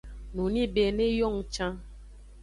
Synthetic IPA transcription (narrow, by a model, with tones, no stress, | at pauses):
nũ˨nĩ˦be˨nẽ˦jɔ˦˨ŋ˨t͡ʃã˦